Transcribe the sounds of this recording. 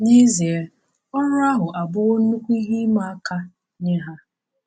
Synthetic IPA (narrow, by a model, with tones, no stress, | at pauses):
ɲi˦zi˨e˨˦ | ɔ˦nʊ˦a˦ɦʊ˨ʔa˨bʊ˦ɣʊ˦n̩˦nu˦kʷu˦i˦ɦi˦ma˦a˦ka˦ | ɲe˦ɦa˦